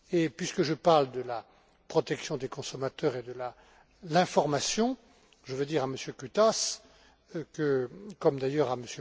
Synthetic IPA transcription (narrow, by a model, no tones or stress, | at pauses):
epɥiskəʒəpaʁld̪əla | pχɔt̪ɛksjɔ̃d̪ekɔ̃sɔmat̪œʁed̪əla | lɛ̃fɔʁmasjɔ̃ | ʒəvəd̪iʁaməsjøkyt̪as | kəkɔmd̪ajœʁaməsjø